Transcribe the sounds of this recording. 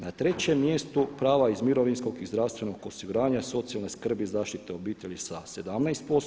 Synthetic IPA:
nat̪ɾe̞t͡ɕemːjest̪upɾaːʋaizmiɾo̞ʋinsko̞ɡizd̪ɾaʋst̪ʋe̞no̞ɡosiɡuɾaːɲaso̞t̪sialneskr̩bizaːʃt̪it̪e̞o̞biːt̪eʎʲisase̞d̪amnajst̪̚pos

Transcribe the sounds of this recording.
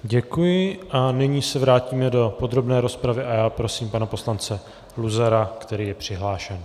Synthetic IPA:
ɟɛkujɪʔanɪɲiːsɛvɾaːciːmɛdo̞po̞d̪ɾo̞bnɛːɾo̞spɾavɪʔajaːpɾo̞siːmpanapo̞slant͡sɛ | luzaɾakt̪ɛɾiːjɛpr̝̥ɪɦlaːʃɛn

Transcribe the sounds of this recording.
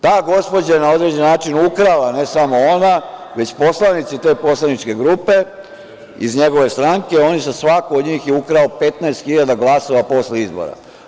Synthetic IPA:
t̪aːɡo̞spo̞d͡ʑajenao̞d̪ɾed͡ʑenːaːt͡ʃinukɾalane̞samo̞o̞naʋe̞t͡ɕpo̞slˠanit̪sit̪e̞ːpo̞slˠanit͡ʃke̞ɡɾuːpe̞ | izɲe̞ɡo̞ʋe̞st̪ɾaŋke̞o̞njezasʋakood̪ɲiːxjeukɾaope̞t̪naest̪xiʎad̪aɡlˠaso̞ʋapo̞sleizbo̞̰ɾa̰

